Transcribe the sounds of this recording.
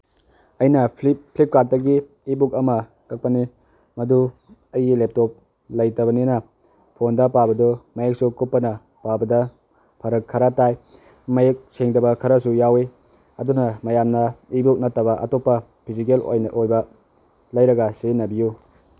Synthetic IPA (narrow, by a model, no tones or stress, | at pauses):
ɐjnɐpʰlip̚kat̚dɐɡiː | bukɐmɐ | kɐk̚pɐni | mɐdu | ɐjilep̚top̚ | lɐjtɐβɐnenɐ | pʰondɐpabɐdumɐjek̚sukupːɐnɐ | pawbɐdɐ | pʰɐɾɐkʰːɐɾɐtaj | mɐjek̚seŋdɐbɐkʰɐɾɐsujawe | ɐdunɐmɐjamnɐibuk̚nɐtːɐβɐʔɐ̰topːɐ | pʰizik̬elʔo̰jnaʔojbɐ | lɐjɾɐɡɐsenɐbiju